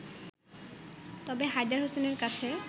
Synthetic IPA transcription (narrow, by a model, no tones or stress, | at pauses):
t̪ɔbeɦajd̪aɾɦoseneɾkat͡ɕʰe